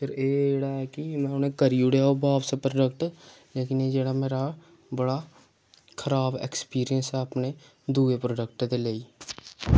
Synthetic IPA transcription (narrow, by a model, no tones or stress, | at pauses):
pʰɪɾeːɽaɛkimɛ̃ːʊnẽkəɾiʊɽejaːobaːbsepɾoɖəkʈleːkɪneːd͡ʒeːɽameːɾa | bəɽa | kʰəɾaːbḛkspiːɾijənsɛəpne | d̪uːepɾoːɖək̚ʈd̪eːleːiː